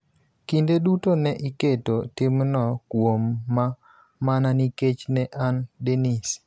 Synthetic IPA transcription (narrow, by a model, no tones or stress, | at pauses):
kindedutonɛʔiketotɪmnɔkwomːa | mananiket͡ʃnɛʔandenis